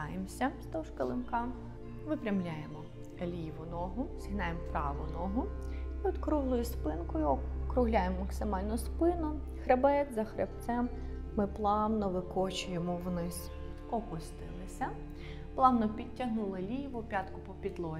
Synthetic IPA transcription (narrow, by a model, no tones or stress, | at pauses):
ajemsʲɐst̪ɔwʃkɐlˠɪmkɑ | ʋɪpɾʲɐmlʲajemɔ | lʲiʋʊnɔɦʊsʲiɦnɑjempɾɑʋʊnɔɦʊɔt̪kɾuɦlˠʊjʊspɪnkʊjʊkɾʊɦlʲajemːɐksɪmɑlʲnɔspɪnɔ | xɾebɛt̪zɐxɾḛpt̪sɛmːɪplˠɑwnɔʋɪkɔt͡ʃʊjemɔwnɪsʲ | ɔkʊst̪ɪlˠɪsʲɐ | plˠɑwnɔpʲid̚ʲtʲːɐɦnulˠɐlʲiʋʊpʲɑt̪kʊpɔpʲid̪lˠɔ